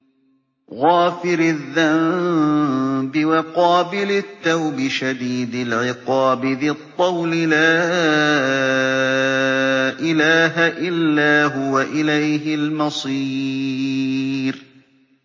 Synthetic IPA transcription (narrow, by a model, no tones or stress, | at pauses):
ɣaːfɪɾɪðːam | bɪwɑqɑːbɪlɪt̪ːawbɪʃad̪iːd̪ɪlʕɪqɑːbɪðɪt̪ˤːɑwlɪlaː | ʔɪlaːɦaʔɪlːaːɦʊwaʔɪlajɦɪlmɑsˤiː | ɾ